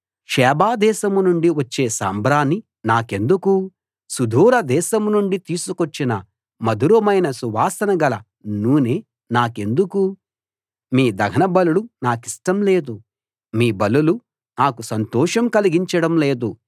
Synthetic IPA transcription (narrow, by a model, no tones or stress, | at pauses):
ʂɛːbaːd̪ɛːʃɐmnuɳɖiʋɐt͡ʃːe̞ːsa̰ːmbɾaːnːi | naːke̞nd̪uku | sud̪ʱuːɾɐd̪ɛːʃɐmnuɳɖit̪iːsukot͡ʃːinɐ | mɐd̪uɾɐmɐjnɐsuʋaːsɐnɐɡɐlɐ | nuːneː | naːke̞nd̪uku | miːd̪ɐɡʱɐnɐbɐluɽunaːkiʂʈɐmleːd̪u | miːbɐlulu | naːkusɐnt̪ɔːʂɐmkɐliɡiɲt͡ʃɐɽɐmleːd̪u